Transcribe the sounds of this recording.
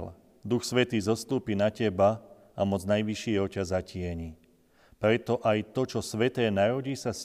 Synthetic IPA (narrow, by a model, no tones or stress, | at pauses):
l | d̪uxsʋɛt̪iːzɔst̪uːpinacɛba | amɔd͡znajʋiʃɪiɦɔcazacɪɛɲi | pɾɛt̪ɔʔajt̪ɔt͡ʃɔsʋɛt̪ɛːnaɾɔɟiːsas